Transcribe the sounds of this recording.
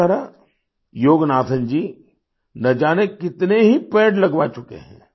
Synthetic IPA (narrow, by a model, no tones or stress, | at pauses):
aɾa | joːɡnaːt̪ʰə̃nd͡ʒiː | nɐd͡ʒaːnekːɪt̪neɦipɛːɖlɐɡʋaːt͡ʃʊkḛɦɛ̰̃ː